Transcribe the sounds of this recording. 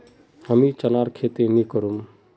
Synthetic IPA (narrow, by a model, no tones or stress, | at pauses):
ɦəmĩt͡ʃənaːɾkʰeːt̪enĩkəɾum